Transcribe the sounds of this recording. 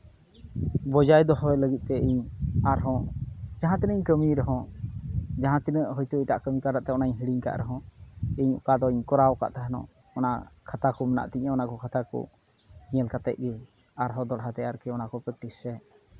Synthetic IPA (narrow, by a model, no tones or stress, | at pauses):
bɔd͡ʒajd̪ɔɦɔɛləɡit̪̚ˀt̪ɛiɲaɾɦɔ̃d͡ʒaɦãt̪inəiɲkəmiɾɔɦɔ̃ | d͡ʒaɦãt̪inəʔɦɔjt̪uiʈaʔkəmikaɾaʔt̪ɛɔnaɲɦiɽiɲka̰ʔɾɛɦɔ̃iɲṵkad̪ɔiɲkɔɾawka̰ʔt̪aɦnɔ̰̃ | ɔnakʰat̪akɔməna̰ʔt̪iɲaɔnakɔkʰat̪akɔ̰ | iɲɛlkat̪ɛ̰ʔ̪̚ˀɡɛ | aɾɦɔ̃d̪ɔɽɦat̪ɛaɾkɛɔnakɔpɾək̚ʈisːɛ